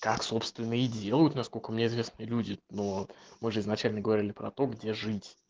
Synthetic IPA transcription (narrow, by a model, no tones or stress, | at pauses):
kakso̞pst̪vʲɪnːɨjɪdʲe̞lˠəjʊt̪nɐskolʲkəmnʲeɪzvʲe̞snɨjəlʲudʲɪnomɨʐɨɪznɐt͡ɕælʲnəɡəvɐɾʲilʲɪpɾɐ̰t̪o̞ɡdʲe̞ʐɨtʲ